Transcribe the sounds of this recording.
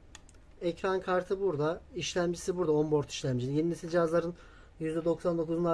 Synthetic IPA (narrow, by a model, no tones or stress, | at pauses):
ɛcɾankʰaɾt̪ʰɯbuɾd̪aiʃlʲæmd͡ʒisibuɾd̪aombo̞ɾt̪ʰi̥ʃlʲæmd͡ʒilʲijeninʲisid͡ʒazlˠaɾɯn | jyzd̪ɛd̪o̞ksand̪o̞kuzuna